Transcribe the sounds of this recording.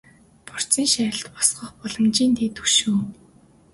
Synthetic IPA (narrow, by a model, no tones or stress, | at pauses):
pɔr̥t͡siːŋʃæ̆ːɬt̪pɔ̥sɢɞ̆χpɔɮɞ̆mt͡ɕiːnt̪ʰeːt̪u̥ʃuː